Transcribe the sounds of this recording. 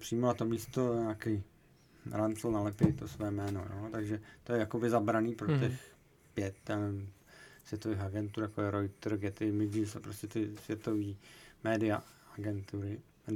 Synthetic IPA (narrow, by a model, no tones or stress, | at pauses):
pr̥ijmolat̪omiːst̪oɲaːkɛj | ɾant͡slnalɛpɛt̪osvɛːmɛːno̰jo̰ːt̪aɡʒɛt̪ojɛjakobɪzabɾaniːpɾot̪ɛx | pjɛt̪ɛ | svjɛt̪oviːxaɡɛnt̪uːɾjakojɛɾojt̪ɾɡɛt̪ɪmɪɟisɛpɾoscɛt̪ɪsvjɛt̪o̞viːmɛːdɪa̰ | aɡɛnt̪uɾɪ